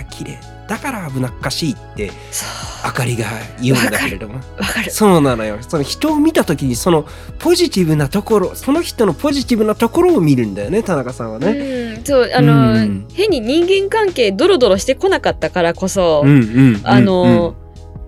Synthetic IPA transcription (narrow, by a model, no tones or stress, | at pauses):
akʲʰiɾḛ | d̪̥akaɾaːbɯ̟nakɯ̥kːaɕiːt̪ːe̞ | so̥akaɾʲiɡaijɯ̃nad̪aakeɾed̪omoβakaɾɯso̞ːnãnojoso̞no̞çi̥t̪o̞ːmʲit̪at̪o̞kʲiɲ̟iso̞no̞ | po̞ʑit̪ʲiβɯ̟nat̪o̞ko̞ɾo̞so̞no̞çi̥t̪o̞no̞po̞ʑit̪ʲibɯ̟nat̪o̞ko̞ɾo̞ːmʲiɾɯ̟̃nd̪ajo̞ne̞t̪anakasãɰ̃βane̞soːʔanohẽ̞ɲ̟ːiɲ̟ĩŋɡẽ̞ŋkãŋke̞ːd̪oɾo̞d̪o̞ɾo̞ɕi̥t̪e̞ko̞nakat̪ːakaɾako̞so̞ɯ̟̃ɴɯ̃ɴano̞